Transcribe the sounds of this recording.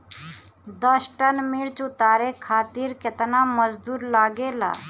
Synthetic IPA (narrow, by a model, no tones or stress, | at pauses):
d̪əsʈənmiɽt͡ʃʊt̪aːɾekʰaːt̪iːɾkɪt̪naməzd̪uːɾlaːɡeːla̰ː